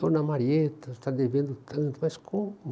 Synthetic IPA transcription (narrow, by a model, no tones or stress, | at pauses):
onɐmaɾiet̪ɐst̪ad̪evẽnd̪ʊt̪ɐ̃nt̪ʊmɐskʰõ